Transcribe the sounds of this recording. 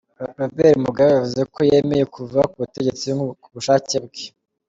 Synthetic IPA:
ɾabeɾimuɡaβejavuze̞kʰoje̞ːme̞jekʰuvakuβute̞ɟe̞t͡sikuβuʃaːcebɡe̥

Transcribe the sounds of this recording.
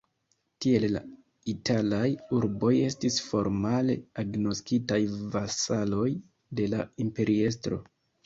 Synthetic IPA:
tie̞lla̰ | itʰalajuɾbo̞je̞stisfo̞ɾmale̞̰aɡno̞skitajvasalo̞j | de̞laimpe̞ɾʔie̞stɾo̞̰

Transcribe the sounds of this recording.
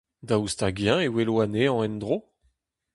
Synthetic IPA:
d̪aust̪aɡjɛ̃ewelwaneɑ̃ɛnd̪ʁo

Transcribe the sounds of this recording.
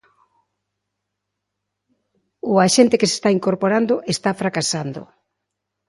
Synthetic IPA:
ʊaʃent̪ekese̥st̪aiŋkoɾpoɾand̪oʔest̪afɾakasand̪ʊ̰

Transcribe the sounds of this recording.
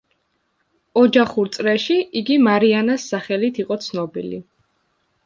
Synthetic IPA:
ɔd͡ʒaχuɾt̪sʼɾɛʃiiɡimaɾianasːaχɛlit̪ʰiqʼɔt̪sʰnɔbḭlḭ

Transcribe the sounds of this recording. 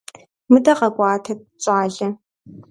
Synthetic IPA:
mɨdɐqɐɡʷʼɑːtʰɐt̚t͡ʃʼaːɮɐ

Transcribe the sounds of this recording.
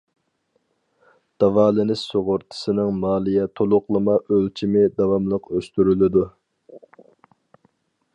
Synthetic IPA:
d̪̥ɑvɑːlˠɨnɪsoʁʊɾt̪ʰɨ̥sɨnɨŋmɑːlˠijɛt̪ʰolˠʊqlˠɨmɑʔølt͡ʃʰimɪd̪ɑwɑmlˠəqøst̪yɾylɪd̪u

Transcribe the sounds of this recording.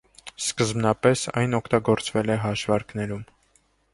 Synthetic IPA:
skəzmnɑpɛsɑ̰jnɔkʰt̪ɑɡɔɾt͡svɛlɛɦɑʃvɑɾknɛɾum

